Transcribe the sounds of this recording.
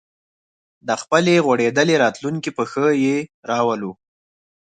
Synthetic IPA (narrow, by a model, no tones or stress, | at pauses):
d̪əxpəleɣwaɽed̪əleɾɑt̪luŋkipəxəjeɾɑwəlu